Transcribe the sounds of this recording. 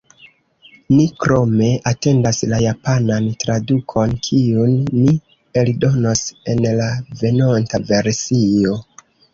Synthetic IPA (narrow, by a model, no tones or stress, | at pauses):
nikɾo̞me̞ʔate̞ndaslajapanantɾadukʰo̞nkʰiunːi | eldo̞no̞se̞nlave̞nontave̞ɾsio̞